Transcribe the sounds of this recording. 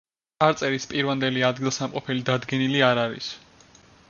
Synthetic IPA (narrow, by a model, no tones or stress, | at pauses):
aɾt̪sʼɛɾispʼiɾvand̪ɛliad̪ɡilˠsamqʼɔpʰɛlid̪ad̪ɡɛniliaɾaɾḭs